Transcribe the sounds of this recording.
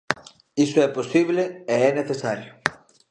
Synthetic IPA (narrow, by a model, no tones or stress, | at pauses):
isoɛposiβleeɛneθesaɾjo